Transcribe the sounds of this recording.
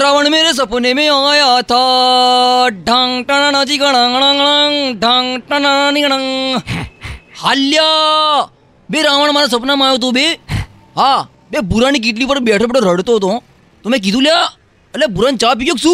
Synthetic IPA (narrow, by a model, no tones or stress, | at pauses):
ɾaːʋəɳmeːɾes̬ɐpnemẽaːjat̪ʰa | ɖʱãːŋɡʈanãnãːt͡ʃikɐɽ̃ãːɡɐɽ̃ãːŋɽ̃ãŋɖʱãːŋʈãnananiɽaŋ | haːlːɪjaː | beɾaːʋəɳmaːɾas̬ɐpnaːmaːjot̪̬obe | ɦãː | bebʊɾaːnik̬iʈ̬lipəɾbɛːʈʰõpːʈoɾɐɽt̪ot̪õ | t̪omɛ̃k̬it̪ũlja | ɐlabʊɾãːnt͡ʃaːp̬ikoksu